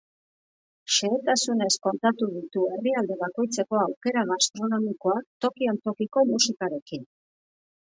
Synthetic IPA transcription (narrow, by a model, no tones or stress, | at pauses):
ʃe̞et̪asune̞sko̞nt̪at̪uðit̪ue̞riald̪e̞βako̞jt͡se̞ko̞awke̞ɾaɣast̪ɾo̞no̞miko̞akt̪o̞kio̞nt̪o̞kiko̞musikaɾe̞kin